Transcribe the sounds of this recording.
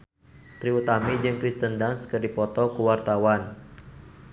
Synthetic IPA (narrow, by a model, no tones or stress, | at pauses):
t̪ɾiut̪amid͡ʒɨŋkɾist̪əndanskərdipɔt̪ɔkuwart̪awan